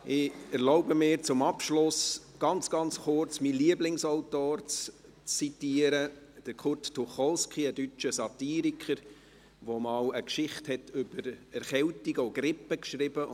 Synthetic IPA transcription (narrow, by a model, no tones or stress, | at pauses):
ʔɪɛɾlɔʊbəmɪːɾt͡sʊmɑpʃlʊs | ɡ̥ɑnt͡sɡ̥ɑnt͡sχʊɾt͡smiliəblɪŋsɔʊtoːrt͡s | t͡sːitiəɾə | d̥əɾkʰʊrttːuχɔlskʰiədyt͡ʃəsɑtiːɾikʰəɾ | ʋomɑːləkʃɪχthɛtʰʏb̥əɾɛɾχɛltiɡəɔɡ̥ɾɪpːəkʃɾɪb̥ə